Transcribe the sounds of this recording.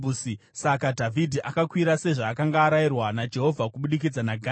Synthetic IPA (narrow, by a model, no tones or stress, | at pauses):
usi | sakadʱavʱidʱiʔakakwiɾase̞ʐaːkaŋɡaːɾairwanad͡ʒe̞ɦo̞vʱakuɓuɗik̬id͡zanaɡʱa